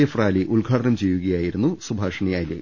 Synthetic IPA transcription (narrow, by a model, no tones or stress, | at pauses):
efraːliʔuɭɡʱaːʈɐnɐmt͡ɕe̞jːuɣɐjaːjiɾunːusubʱaːʂɐɳɐjaːjilḛː